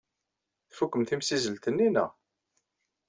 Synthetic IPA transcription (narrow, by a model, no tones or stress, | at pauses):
θfukːəmθimsizəlt̪ənːinæ̰